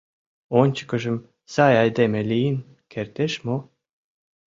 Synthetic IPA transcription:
onʲt͡ɕə̥kə̆ʒə̆m | sɑjɑjd̪emelijin | kʰert̪eʃmo

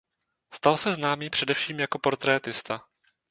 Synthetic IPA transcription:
st̪alsɛznaːmiːpr̝̥ɛdɛfʃiːmjako̞po̞ɾt̪ɾɛːt̪ɪst̪a

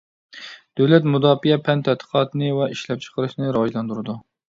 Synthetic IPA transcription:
d̪̥øwlɛt̪mud̪ɑːfijɛpʰɛnt̪ʰɛd̪ʰə̥qʰɑːt̪ʰɨnɨwɛʔiʃlɛp̚t͡ʃʰə̥qəɾɨʃnɨɾɑːjlˠɑnd̪uɾɨd̪u

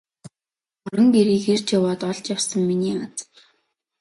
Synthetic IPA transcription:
ɔɾɞ̆ŋpeɾiːxert͡ɕjawaːt̪ɔɮt͡ɕjawsə̆mːiniːat͡s

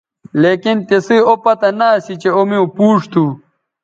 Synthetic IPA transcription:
leːkint̪esiopɐt̪ɐnaːsit͡ɕeomiupuːʂt̪u

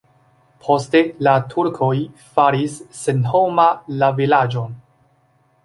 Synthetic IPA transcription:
pʰo̞ste̞latʰuɾkʰo̞jfaɾisːenho̞malavilad͡ʒon

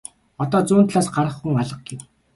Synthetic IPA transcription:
ɔt̪ɔːt͡sʊːnt̪ɮaːsɢaɾə̆χːuŋaɮə̆q̚ɡew

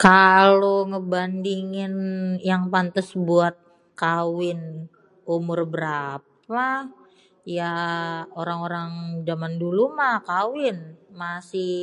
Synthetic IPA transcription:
kaloŋəbandiŋɪnjaŋpant̪asbuat̪̚ | kawɪn | umʊrbəɾap̚a | jaoɾaŋoɾaŋd͡ʒamandulumahkawɪnmasɪh

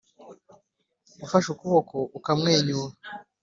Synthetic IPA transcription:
ufaʃukuβokoʔukamŋeːɲuwa

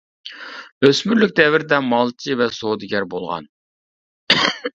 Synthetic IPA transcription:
øsmyɾlykʲd̪ɛvɪɾd̪ɛmɑlˠt͡ʃʰivɛsod̪ɨɡʲɛɾbolˠʁɑ̰n

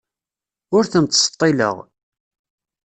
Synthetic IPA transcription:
ʊɾθəmt̪sə̥t̪ˤːilə̰ʁ

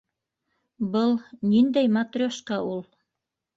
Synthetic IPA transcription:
bɤlˠnind̪æjmat̪rʲoʃqɑʔulˠ

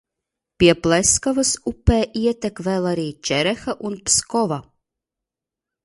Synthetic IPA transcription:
pʲiɛplɛskavɨsupːɛːʔiɛt̪ʲɛkvɛlˠaɾiːt͡ʃɛɾɛxaʔunpskɔva

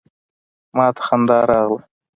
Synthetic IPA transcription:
mɑːt̪ʰḁxand̪ɑːɾɑːʁlə

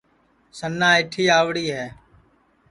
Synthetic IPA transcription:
sənːãːɪʈʰiːaːʋɽiːɦɛː

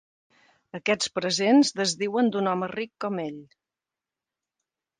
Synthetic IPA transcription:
əkɛt͡spɾəzenzðəzðiwənd̪unɔmərikːɔmeʎ

